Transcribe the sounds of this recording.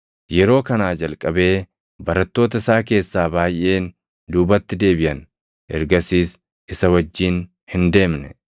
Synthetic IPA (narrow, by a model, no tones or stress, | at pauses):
jɛɾo̞ːkɐnaːd͡ʒɐlkʼɐbe̞ː | bɐɾɐt̪ːo̞ːt̪ɐɪsaːke̞ːsːaːbaːjʔe̞ːn | d̪uːbɐt̪ːɪd̪e̞ːbɪʔɐn | ʔɛɾɡɐsiːs | ɪsɐwɐd͡ʒːiːn | hɪnd̪e̞ːmnɛ